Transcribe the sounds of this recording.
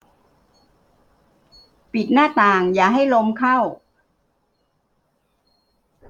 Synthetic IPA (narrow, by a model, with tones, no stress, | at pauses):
pi˨˩t̪̚naː˥˩t̪aː˨˩ŋjaː˨˩ɦa˥˩jlo˧mkʰa˥˩w